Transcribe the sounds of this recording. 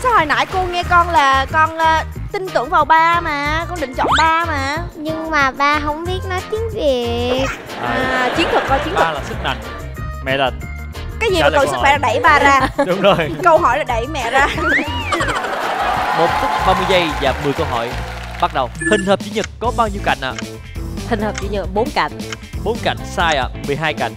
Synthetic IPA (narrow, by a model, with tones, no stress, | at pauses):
sa˨˦ho̰˧˨˩jna̰ː˧˥jku˧ŋɛ˧kɔ˧nlaː˨˩kɔ˧nəː˧˩t̪ï˧ŋ̟t̪ɨ˧˩əŋvaː˨˩wɓaː˧maː˨˩kɔ˧nɗï˧˨ŋ̟t͡ɕɔ̰˧˨nɓaː˧maː˨˩ɲɨ˧ŋmaː˨˩vaː˧˩ɦə˧˥˩wŋ͡mɓi˦˥ət̚nɔ˨˦jt̪i˨˦əŋvi˨˩əək̚ː | aː˨˩t͡ɕi˨˦ənt̪ʰɨ˨˩k̚ːɔ˧˩t͡ɕi˨˦ənʰ˨˧laː˨˩sɨ˦˥k̚ma̰˨˧˨ŋ̟ | mɛ̰˧˨lə˨˩n | kaː˨˦jzi˨˩˨ɨ̰˧˨sɨ˦˨fa˧˩laː˨˩ɗə˧˩jɓaː˧zaː˧ɗʊ˨˦ŋ͡mzo˧jkə˧wɦɔ˧˩jlaː˨˩ɗə˧˩jmɛ̰˧˨zaː˧ | ɓo˨˦nt̪ʰi˦˥k̚ɓaː˧mɨ˧əjzə˧jza̰˨˩p̚mɨ˨˩əjkə˧wɦɔ̰˧˨j | ɓa˦˥t̚ɗə˨˩whï˨˩ŋ̟həː˨˩p̚t͡ɕi˨˦ɲɨ˨˩kːɔ˨˦ɓaː˧wɲi˧wka̰˧˩jŋ̟ʔa̰ː˧˨ | hï˨˩ŋ̟həː˨˩p̚t͡ɕi˧˦ɲɨ˨˩k̚ɓo˨˦nka̰˧˨jŋ̟ | ɓo˨˦nka̰˧˨jŋ̟saː˧jʔa̰ː˧˨mɨ˨˩əjɦaː˧jka̰˧˨jŋ̟